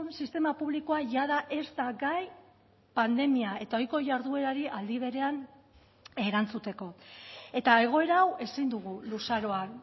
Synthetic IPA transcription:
nsist̪e̞mapuβ̞liko̞aʝaðaʔe̞zt̪aɡaj | pand̪e̞miae̞t̪ao̞jko̞ʝaɾðue̞ɾaɾiʔald̪iβ̞e̞ɾe̞an | eɾant͡sut̪e̞ko̞e̞t̪ae̞ɣ̞o̞e̞ɾaːwe̞sind̪uɣ̞ulusaɾo̞an

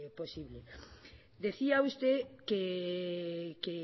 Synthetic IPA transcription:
posiβle | d̪eθiaust̪eke | ke

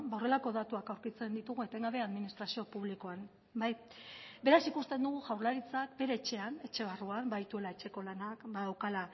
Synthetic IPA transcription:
baore̞lako̞ðat̪uakawɾkit͡se̞nd̪it̪uɣ̞uet̪e̞ŋɡaβe̞aðminist̪ɾasio̞puβliko̞an | bajbe̞ɾasikust̪e̞nd̪uɣ̞uʝawɾlaɾit͡sakbe̞ɾe̞ːt͡ʃe̞ane̞t͡ʃe̞βaruambait̪ue̞laet͡ʃe̞ko̞lanakbaewkala

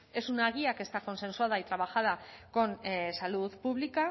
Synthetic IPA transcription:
e̞sunaɣiake̞st̪ako̞nse̞nsuaðait̪ɾaβ̞axað̞ako̞nsaluðpuβlika

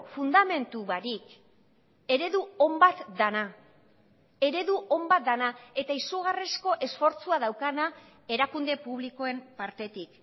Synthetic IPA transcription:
fund̪ame̞nt̪uβaɾik | e̞ɾe̞ðuo̞mbat̪d̪ana | e̞ɾe̞ðuʔo̞mbat̪̚d̪anae̞t̪aisuɣaresko̞ʔe̞sfo̞ɾt͡suaðawkana | e̞ɾakund̪e̞puβliko̞e̞mpaɾt̪e̞t̪ik

